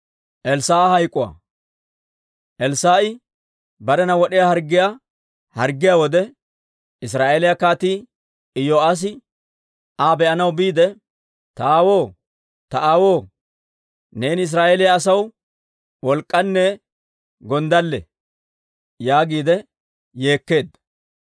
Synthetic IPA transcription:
ʔɛlsaːhɐjkʼːʊwa̰ː | ʔɛlsaːʔɪ | bɐɾɛnɐwɔɗɪjahɐɾɡːɪja | hɐɾɡːɪjawɔd̪ɛ | ɪsɾaːʔeːlɪjakaːt̪iː | ɪjoːas̬ɪ | aːbɛʔɐnɐwbiːd̪ɛ | t̪ɐaːwo̞ː | t̪ɐʔaːwo̞ː | ne̞ːnɪs̬ɾaːʔeːlɪjaːsɐw | wɔlkʼːɐnːɛ | ɡɔnd̪ɐlːɛ̰ | jaːɡiːd̪ɛ | je̞ːkːe̞ːd̪

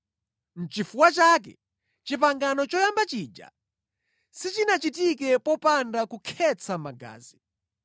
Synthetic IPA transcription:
n̩t͡ʃifuwat͡ʃaːkɛ̰ | t͡ʃip̬aŋɡanɔt͡ʃɔjambat͡ʃid͡ʒa̰ | sit͡ʃinat͡ʃitikɛpɔpandakukʰɛt͡sʰamaɡa̰ːzi

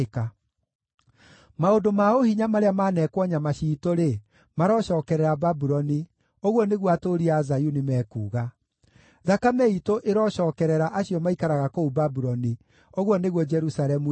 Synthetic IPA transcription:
ka | maodomaohiɲamaɾeamanɛkwɔɲamaɕiːtoɾe | maɾɔʃɔːkɛɾɛɾababuɾɔni | oɣɔneɣwatoɾiazajunimɛːkṵːɣa | ðakamɛitoʔeɾɔɕɔːkɛɾɛɾaʔaɕiɔmaikaɾaɣakoubabuɾɔni | oɣwɔneɣwɔd͡ʒɛɾusaɾɛmu

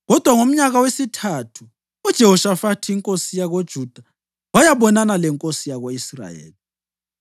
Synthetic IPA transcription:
ɣɔd̥ʱwaŋom̩ɲaɣawesitʰatʰu̥ | ud̥ʒ̥ʱɛhɔʃafatʰiiŋkʼosijaɣod̥ʒ̥ʱud̥ʱa | wajaβɔnanalɛŋkʼosijaɣoisra̰jḛːli

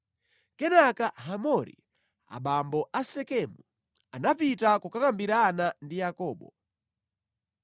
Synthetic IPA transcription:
kɛnakaɦamɔɾḭ | a̰ɓambɔʔasɛkɛmu | anapitakukakambiɾanandijakɔːɓɔ̰

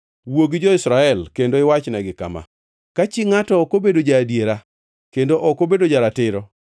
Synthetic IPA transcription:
woɡid͡ʒɔɪsɾaɛlkendoɪwat͡ʃnɛɡɪka̰ma̰ | kat͡ʃiŋatɔːkobedod͡ʒaːdjeɾa | kendoʔɔkobedod͡ʒaɾatɪɾɔ

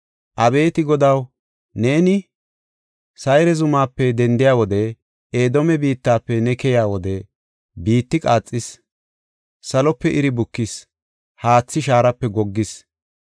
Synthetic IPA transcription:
ʔɐbe̞ːt̪ɪɡɔd̪ɐw | ne̞ːnɪ | sɐjɾɛzʊmaːpːɛd̪ɛnd̪ɪjaːwɔd̪ɛ | eːd̪ɔmɛbiːt̪ːaːpːɛnɛkɛjaːwɔd̪ɛ | biːt̪ːɪkʼaːt͡sʼːɪs | sɐlɔpːɛʔɪɾɪbʊkːɪs | haːt͡sːɪʃaːɾɐpːɛɡɔɡːɪs

